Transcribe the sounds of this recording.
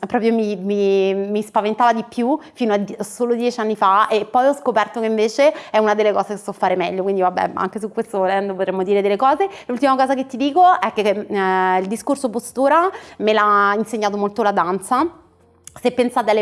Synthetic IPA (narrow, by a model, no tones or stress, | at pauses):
pːɾɔːpɾjomimimispavent̪aːvad̪ipjufiːnoad̪sːoːlod̪jɛt͡ʃianːifaepːɔjɔskopɛrt̪okeiɱveːt͡ʃeɛunad̪elːekɔːzekesɔfːaːɾemɛʎːokwind̪ivabːɛ̰a̰ŋk̟esukːwest̪ovolɛnd̪op̬ot̪ɾemːod̪iːɾed̪elːekɔːzelult̪imakɔːzak̬et̪ːid̪iːkoɛkːe | ild̪iskorsopost̪uːɾamelainseɲːaːt̪̬omolt̪olad̪ant̪sa | sepːensaːt̪eale